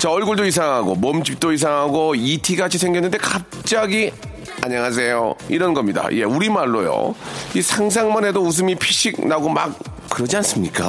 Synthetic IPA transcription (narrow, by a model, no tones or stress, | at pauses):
t͡ɕaʌɭɡuɭdois̬ʰaŋɦaɡomʌmd͡ʑip̚t͈ois̬ʰaŋɦaɡoitʰiɡat͡ɕʰisʰeŋɡinːɯnde̞kap̚t͡ɕ͈aɡi | a̰ɲaŋɦas̬ʰe̞jo̰iɾʌnɡʌmɲida̰je̞uɾimaɭːojo̰isʰaŋs̬ʰaŋmʌnɦe̞dous̬ʰɯmipʰiɕ͈ʰik̚naɡomak̚ː | ɯɾʌd͡ʑians͈ɯmɲik͈a̰